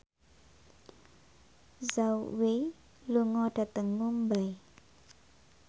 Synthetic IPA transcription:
zauwe | luŋɔɖ̥a̤t̪əŋːumbaj

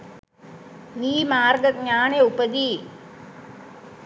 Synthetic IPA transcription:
ʋiːmaːrɡɐt̪̚ɲaːneupɐd̪i

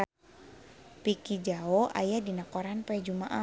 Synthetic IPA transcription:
a | pikid͡ʒaoʔa̰jadinakɔɾanpɛd͡ʒumaʔa

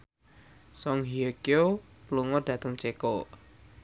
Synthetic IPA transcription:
sɔŋɦiəkeo | pluŋɔd̪̥ä̤t̪əŋt͡ʃeko

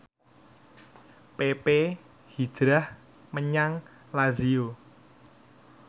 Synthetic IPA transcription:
pepe | hid̥ʒ̥ɾah | məɲaŋ | lazio

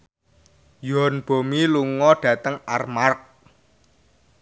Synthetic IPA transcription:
jɔnb̥o̤miluŋɔɖ̥ä̤t̪əŋa̰rmark̚

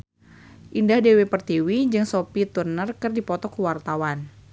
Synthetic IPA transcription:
ʔindahdewepərt̪iwid͡ʒɨŋsopit̪urnərkɨrdipɔt̪ɔkuwart̪awan

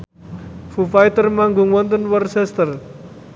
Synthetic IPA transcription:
fufajt̪ərmaŋɡuŋwɔnt̪ənwərsɛst̪ər

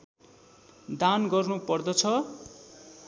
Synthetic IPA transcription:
d̪anɡʌrnupʌrd̪ʌt͡sʰʌ

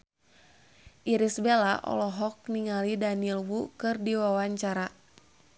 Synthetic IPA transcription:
ʔiɾisbelaʔɔ̰lɔɦɔk̚niŋalidanilwukɨrdiwawaɲt͡ʃaɾa

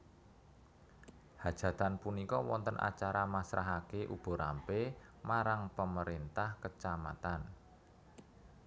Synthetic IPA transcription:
had̥ʒ̥a̤t̪anpunikɔwɔ̰nt̪ənʔa̰t͡ʃaɾamasɾaɦakeʔub̥ɔ̤ɾampemaɾaŋpəməɾint̪ahkət͡ʃama̰t̪an

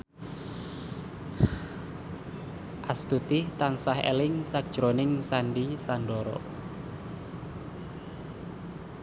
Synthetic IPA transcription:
ʔast̪ut̪ɪht̪aŋsahḛlɪŋsak̚d̥ʒ̥ɾonɪŋsanɖisaɳɖɔɾɔ̰

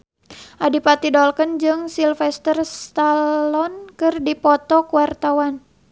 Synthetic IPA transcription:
ʔadipat̪idɔlkənd͡ʒɨŋsilfɛst̪ərst̪alɔnkɨrdipɔt̪ɔkuwart̪awan

